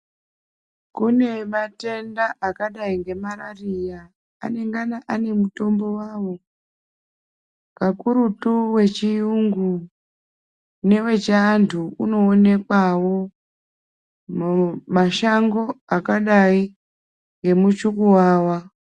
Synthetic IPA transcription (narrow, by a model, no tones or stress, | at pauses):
kune̞mate̞ndaʔakaɗaiŋɡe̞maɾarija̰ː | ne̞ŋɡanaʔane̞muto̞mbo̞wawo̞ | kakuɾutuwe̞t͡ʃijuŋɡu | ne̞we̞t͡ʃaːntʰuuno̞ːne̞kwawo̞ | maʃaŋɡo̞akaɗai | ŋɡe̞mut͡ʃukuwaːwa